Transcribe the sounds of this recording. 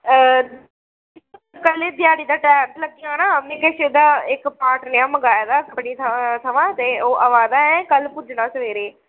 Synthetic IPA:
kəleːd̪ɪjaːɽid̪aːʈɛːmtlɐɡiãnaəmnẽːkeʃed̪aːɪkpãːʈnejãməɡaːjd̪aːkəpɽit̪ʰɐt̪ʰɐʋãːt̪eːoːʔɐʋaːd̪aːɛ̃kəlpʊd͡ʒnaːsəʋeːɾeː

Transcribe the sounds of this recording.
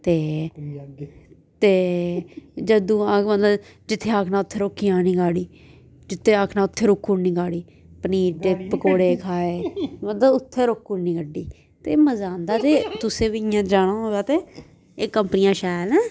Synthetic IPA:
t̪eː | t̪eː | d͡ʒəd̪ũːaːkʋənd̪ad͡ʒɪt̪ʰːeːaːkʰnãːʊt̪ʰːeːɾoːkːiːãːnĩːɡaːɽiː | d͡ʒɪt̪ʰːeːaːkʰnãːʊt̪ʰːeːɾoːkːuːnĩːɡaːɽiː | pəniːʈepːəkoːɽeːkʰaːeːənd̪aʊt̪ʰːeːɾoːkːuːnĩːkəɖːiː | t̪eːməzaːnd̪aːt̪eːt̪ʊsẽːbiɪjãːd͡ʒaːɽ̃ãːɦoːjaːt̪eː | eːkːəmpənɪjãːʃaːlɛ̃ː

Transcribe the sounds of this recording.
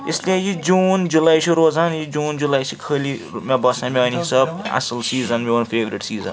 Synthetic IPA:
eslʲejid͡ʒuːnd͡ʒulajt͡ʃʰuɾoːzanjid͡ʒuːnd͡ʒulajsʰikʰəli | mebʌsãmeɐniɦisɐb̚a̰sɐlsiːzɐnmiɐnpʰeːʋɾiʈsiːzɐ̰n

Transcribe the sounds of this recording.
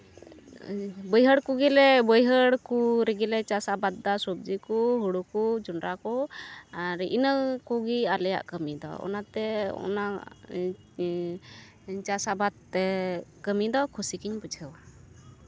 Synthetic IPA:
bəjɦəɽkuɡilɛbəjɦəɽkuɾɛɡilɛt͡ʃasabad̪̚d̪asub̚d͡ʒikuɦuɽukud͡ʒunɾakɔaɾiʔinəkuɡialɛja̰ʔkəmid̪ɔ̰ɔ̰nat̪ɛɔ̰na | t͡ʃasabat̪̚ɛkəmid̪ɔkʰusikiɲput͡ʃʰəwa

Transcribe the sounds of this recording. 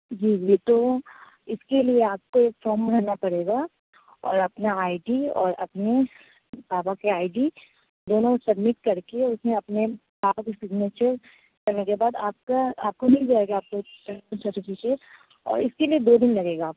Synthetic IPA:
d͡ʒiːd͡ʒit̪o | ɪskelieaːp̚koeːkfɔːɾmɾɐknapɐɽeːɡa | ɔ̰ːɾɐpnaaːɪɖiɔ̰ːɾɐpne | baːbakeaːɪɖi | d̪oːnõsɐbmɪʈ̚kɐɾkeʊsnẽɐpne | baːkesɪɡneːt͡ʃəɾ | kɐnẽkebaːd̪aːp̚kaaːp̚konɐɦĩd͡ʒaeɡaaːp̚koʈɐsɐɾʈɪfɪkeːʈ | ɔ̰ːɾɪskelied̪oːd̪ɪnlɐɡeːɡaːp

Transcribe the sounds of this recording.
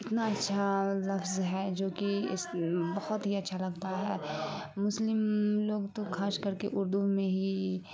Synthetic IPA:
ɪt̪naɐtːʃʰalɐfzɦɛd͡ʒoːkiɪ̰sbɐhɔt̪ɦiɐtːʃʰalɐɡt̪aɦɛːmʊslɪmloːɡt̪okʰaːskɐɾkeʔʊɾd̪umẽɦi

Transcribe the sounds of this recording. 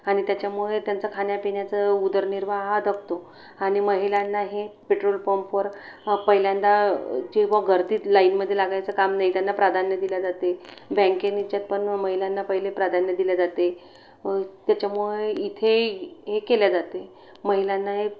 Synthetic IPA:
aɽ̃it̪jat͡ɕjamuɭet̪jant͡səkʰanjapeɳjat͡səud̪əɾniɾʋaɦad̪əkʰt̪o | añiməɦilanːaɦepeʈɾolpomfəɾ | pəɦiljand̪ad͡ʑeʋəɡʱəɾt̪iːt̪lainməd̪ʱːjelaɡajt͡səkamnaɦit̪janːapɾad̪ʱanjəd̪iljad͡zat̪ebɛ̃ŋkenit͡ɕjat̪̚pəɳməɦiljanːapəɦilepɾad̪ʱanjəd̪iljad͡zat̪e | t̪jat͡ɕjamuɭeit̪ʰeɦekeljad͡zat̪e | məɦiljanːaɦe

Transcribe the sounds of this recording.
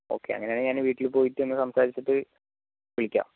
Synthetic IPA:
o̞ːkːeɐ̰ŋːɐne̞aːneɲaːnʋiːʈːilpo̞ːjitːuenːɨsɐmsaːɾit͡ɕːɐʈːɨ | ʋiɭikʲːa̰ːm

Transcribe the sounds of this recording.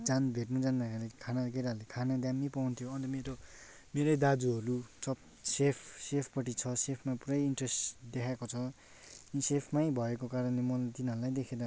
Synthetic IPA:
d͡zanbʱeʈnud͡zʌnːakalekʰanaɡʌɾaɦlekʰanad̪jamːipawnt̪ʰjoʌnt̪ʌmeɾo | meɾʌjd̪ad͡zuɦʌɾut͡sʰʌ | sepʰsepʰpʌʈ̬it͡sʰʌsepʰmapuɾʌjiɳʈresd̪ekʰakot͡sʰʌ | sepʰmajbʱʌekokaɾʌnlemʌt̪inʌɾulajd̪ekʰed̪a

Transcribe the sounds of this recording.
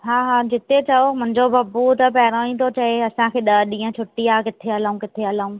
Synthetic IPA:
ɦaːɦaːd͡ʑɪt̪et͡ɕɐomʊ̃ɦɪ̃ɲd͡ʑobɐbut̪ɐpɐɾaːɽĩt̪ʰot͡ɕɐɦeɐsãkʰeːɗɐɗĩːə̃t͡ɕʰʊʈiaːkɪt̪ʰeɐlaːũkɪt̪ʰeɐlaũ

